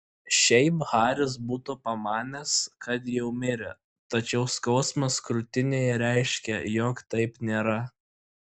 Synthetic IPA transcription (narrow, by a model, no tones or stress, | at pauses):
ʃʲɛɪpɣɑːɾʲɪs̬buːt̪opɐmɑːnʲeskɐt̪jɛʊmʲɪɾʲɪ̰ | t̪ɐt͡ʃʲɛʊskɒʊsmɐskɾʊt̪ʲɪnʲeːjɛɾʲɛɪʃʲkʲɛjoːkt̪ɐɪpnʲeːɾɐ